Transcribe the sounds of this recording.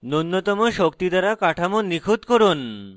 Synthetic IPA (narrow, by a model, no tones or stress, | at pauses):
nonːot̪ɔmoʃokt̪id̪aɾakaʈʰamonikʰut̪koɾun